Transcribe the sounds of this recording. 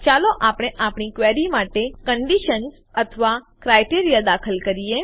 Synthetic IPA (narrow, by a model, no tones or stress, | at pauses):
t͡ʃaloʔapɽ̃eʔapɳ̃ikʋeɾimaʈekəɳɖiʃəns | ət̪ʰʋa | kɾajʈiɾijad̪akʰəlkəɾie